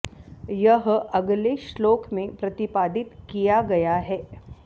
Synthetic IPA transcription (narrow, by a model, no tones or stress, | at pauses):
jəɦɐɡleʃloːkʰmẽpɾɐt̪ɪpaːd̪ɪt̪kijaɡɐjaɦɛː